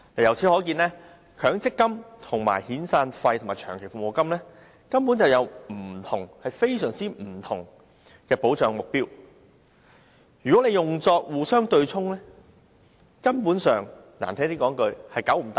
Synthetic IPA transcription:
lɐ˨jɐ˨˩wt͡sʰi˨˥hɔː˨˥kiː˧nlɛː˥ | kʰœː˨˥ŋt͡sɪ˥kːɐ˥mt̪ʰʊ˨˩ŋma̰ː˨˩jhiː˨˥nsaː˧nfɐ˧jtʰʊ˨˩ŋmaː˨˩jt͡ʃʰœː˨˩ŋkʰe˨˩fʊ˨mo˨˧wkɐ˥mlɛː˥ | kɐ˥mpu˨˥nt͡sɐ˨wjɐ˨˧wm̩˨˩t̪ʰʊ˨˩ŋhɐ˨jfe˥jsœː˨˩ŋt͡siː˥m̩˨˩t̪ʰʊ˨˩ŋ | kɛː˧po˨˥wt͡ʃœː˨˧ŋmʊ˨k̚piː˥w | jyː˨˩kɔ˨˥e˨˧jʊ˨ŋt͡sɔː˧k̚wuː˨˩sœː˥ŋt̪ɵ˧ɥt͡sʰʊ˥ŋlɛː˥ | kɐ˥mpuː˨˥nsœː˨˩ŋ | na̰ː˨˩nt̪ʰɛː˥t̪iː˥kɔː˨˥ŋkɵ˧ɥhɐ˨jkɐ˨˥wm̩˨˩t̪a˨

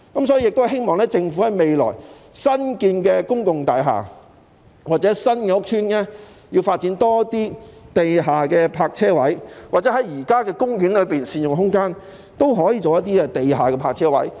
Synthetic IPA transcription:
kɐ˨˦msɔ˨˥ji˨˧jɪ˨k̚t̪ːɦe˥jmɔː˨ŋlɛː˥t͡sɪ˧ŋfu˨˥hɐ˨˧jme˨jlɔ̰ː˨˩j | sɐ˥nkiː˧nkɛː˧kʊ˥ŋkʊ˨ŋt̪aː˨jɦa̰ː˨˩ | waː˨˩t͡sɛ˨˥sɐ˥nkɛː˧ʊ˥k̚t̪ʰyː˥nɛː˥ | jiː˧wfaː˧t̚t͡siː˨˥nt̪ɔː˥t̪iː˥t̪e˨jɦaː˨kɛː˧pʰaː˧k̚t͡sʰɛː˥wɐ˨˥jwaː˨˩t͡sɛ˨˦˥hɐ˨˦˥jjiː˨˩kaː˥kɛː˧kʊ˥ŋjyː˨˥nlɵ˨˧piː˨nsiː˨njʊ˨ŋɦʊ˥ŋkaː˥n | t̪o˥wɦɔː˨˥jiː˧t͡so˨wjɐ˥t̚t̪iː˥ɛ˧t̪e˨jɦaː˨kɛː˧pʰaː˧k̚t͡sʰɛː˥wɐ̰˨˥j

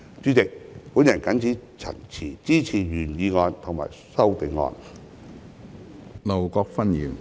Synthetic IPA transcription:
t͡ʃyː˨˥t͡sɪ˨k̚puː˨˥njɐ˨˩nkɐ˨˥nt͡siː˨˥t͡sʰɐ̰˨˩ŋt͡sʰiː˨˩t͡siː˥t͡sʰiː˨˩jyː˨˩njiː˨˧ŋɔː˧nt̪ʰo˨˩ŋma̰ː˨˩j | sɐ˥wt̪e˨˧ŋŋɔ̰ː˧n | lɐ˨˩wkɔː˧k̚fɐ˥njiː˨˩n

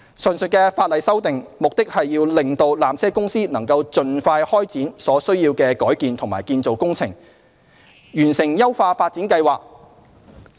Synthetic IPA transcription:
sɵ˨nsɵ˨t̚kɛː˧faː˧t̚lɐ˨jsɐ˥wt̪ɪ˨ŋmʊ˨k̚t̪ɪ˥k̚hɐ˨jːiː˧wlɪ˨ŋt̪o˧wlaː˨msʰɛː˥kʊ˥ŋsiː˥nɐ˨˩ŋkɐ˧wt͡sɵ˨nfaː˧jhɔː˥jt͡siː˨˥nsɔː˨˥sɵ˥ɥjiː˧wkɛː˧kɔː˨˥jkiː˨nt̪ʰʊ˨˩ŋma̰ː˨˩jkiː˧nt͡so˨wkʊ˥ŋt͡sʰɪ̰˨˩ŋ | jyː˨˩nsɪ˨˩ŋjɐ˥wfaː˧faː˧t̚t͡siː˨˥nkɐ˧jwaː˨k̚

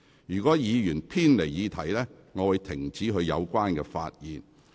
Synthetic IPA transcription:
jyː˨˩kɔː˨˥jiː˨˧jyː˨˩npʰiː˥nle˨˩jjiː˨˧t̪ʰɐ˨˩jlɛː˥ | ŋɔː˨˧wu˨˧jt̪ʰɪ˨˩ŋt͡siː˨˥ɦɵ˧ɥjɐ̰˨˧wkʷaː˥nkɛː˧fa̰ː˧t̚jiː˨n

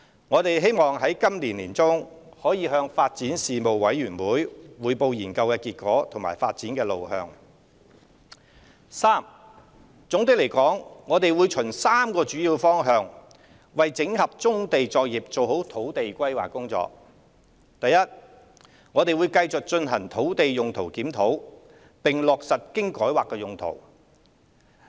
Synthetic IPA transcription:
ŋɔː˨˧t̪e˨jɦe˥jmɔː˨˩ŋɦɐ˨˥jkɐ˥mliː˨˩nliː˨˩nt͡sʊ˥ŋ | hɔː˨˥jiː˨˧ɦœː˧ŋfaː˧t̚t͡siː˨˥nsiː˨mo˨wːɐ˨˥jɥyː˨˩nwuː˨˥jwuː˨˧jpo˧wjiː˨˩nkɐ˧wkɛː˧kiː˧t̚kɔː˨˥t̪ʰʊ˨˩ŋma̰ː˨˩jfaː˧t̚t͡siː˨˥nkɛː˧lo˨wɦœ̰ː˧ŋ | saː˥m | t͡sʊ˨˥ŋt̪ɪ˥k̚le˨˩jkɔː˨˥ŋŋɔː˨˧t̪e˨jwuː˨˧jt͡ʃʰɵ˨˩ŋsaː˥mkɔː˧t͡ʃyː˨˥jiː˧wfɔː˥ŋɦœː˨˧ŋ | wɐ˨jt͡sɪ˨˥ŋhɐ˨p̚t͡sʊ˥ŋt̪e˨jt͡sɔː˧k̚jiː˨p̚t͡so˨wɦo˨˥wt̪ʰo˨˥wt̪e˨jkʷɐ˥jwa̰ː˨˩kːʊ˥ŋt͡sɔ̰ː˧k̚ | t̪ɐ˨jɐ˥t̚ | ŋɔː˨˧t̪e˨jwu˨˧jkɐ˧jt͡sʊ˨k̚t͡ʃɵ˧nɦɐ˨˩ŋt̪ʰo˨˥wt̪e˨jjʊ˨ŋt̪ʰo˨˩wkiː˨˥mt̪ʰo˨˥w | pɪ˨ŋlɔː˨k̚sɐ˨t̚kɪ˥ŋkɔː˨˥jwaː˨˩kːɛː˧jʊ˨ŋt̪ʰo̰˨˩w

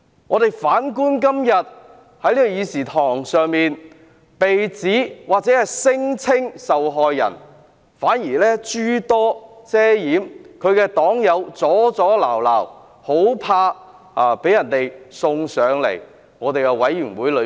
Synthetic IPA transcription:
ŋɔː˨˧t̪e˨jfaː˨˥nkuː˥nk̬ɐ˥mjɐ˨t̚ | hɐ˧˥jliː˥ɔ˨˧jiː˨˧siː˨˩t̪ʰɔː˨˩ŋsœː˨˧ŋmiː˨n | pe˨jt͡siː˨˥waː˨t̚t͡sɛː˨˥hɐ˨jsɪ˥ŋt͡sʰɪ˥ŋsɐ˨wɦɔː˨jːɐ̰˨˩n | faː˨˥njiː˨˩lɛː˥t͡ʃyː˥t̪ɔː˥t͡sɛː˥jiː˨˥mkʰɵ˨˧ɥkɛː˧t̪ɔː˨˥ŋjɐ˨˧wt͡sɔː˨˥t͡sɔː˨˥laː˨˩wla̰ː˨˩w | ho˨˥wpʰaː˧ | aː˨pe˨˥jɐ˨˩nt̪e˨jsʊ˧ŋsœː˨˧ŋlḛ˨˩j | ŋɔː˨˧t̪e˨jkɛ˧wɐ˨˥jːyː˨˩ŋwuː˨˥jlɵ˨˧˥

